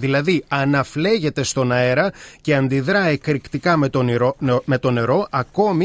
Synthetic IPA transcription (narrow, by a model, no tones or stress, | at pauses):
ðilɐðiɐnɐfle̞ʝe̞t̪e̞st̪o̞nɐe̞ɾɐce̞ɐnd̪iðɾɐekɾikt̪ikɐmet̪ome̞t̪o̞ne̞ɾo̞ʔɐko̞mi